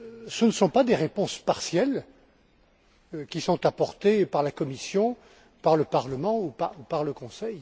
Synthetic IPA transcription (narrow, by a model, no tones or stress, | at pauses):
sənəsɔ̃pad̪eʁepɔ̃spaʁsjɛl | kʲisɔ̃t̪apɔʁt̪epaʁlakɔmisjɔ̃ | paʁləpaʁləmɑ̃upaupaʁləkɔ̃sɛj